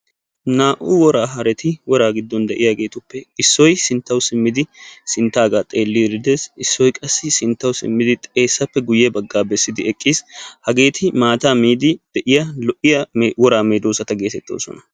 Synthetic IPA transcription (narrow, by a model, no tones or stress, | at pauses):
naːʔuwɔɾaːɦɐɾɛt̪ʰɪwɔɾaːɡɪd̪ːɔnd̪ɛʔɪjɐɡe̞ːt̪ʊpːɛɪsːɔjsɪnt̪ːɐwsɪmːɪd̪ɪsɪnt̪ːaːɡaːt̪ʼe̞ːlːiɾɪd̪eːsɪsːɔjkʼɐsːɪsɪnt̪ːɐwsɪ̰mːɪd̪ɪt̪ʼe̞ːsːɐpːɛɡʊjɛbɐɡːaːbɛsːɪd̪ɪɛkʼːiːshɐɡe̞ːt̪ʰɪmaːt̪aːmiːd̪ɪd̪̥ɛʔɪjɐlɔʔɪjɐwɔɾaːmeːd̪oːsɐt̪ɐɡe̞ːt̪ɛt̪ːo̰ːsɔ̰nɐ